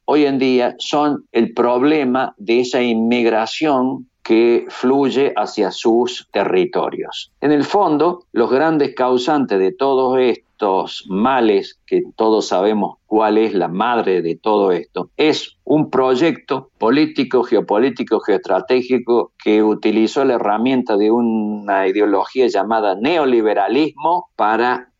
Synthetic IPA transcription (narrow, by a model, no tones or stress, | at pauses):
ojend̪iaso̞nelpɾoβlemaðeesaimmːiɣɾasjo̞ŋkefluʒeʔasjasust̪erit̪o̞̰ɾjo̰senelfo̞nd̪o̞lo̞zɣɾand̪ehkawsant̪ezðet̪oðosest̪osmalesket̪o̞ðosːaβ̞emoskwaleslamaðɾeðet̪o̞ð̞oest̪o̞esumpɾo̞ʒek̚t̪o̞polit̪ikoxeo̞po̞lit̪ikoxeoehst̪ɾat̪exikokʰeut̪iliso̞laeramje̞nt̪aðeunːaiðeo̞lo̞xiaʒamaðaneoliβeɾalizmo̞paɾa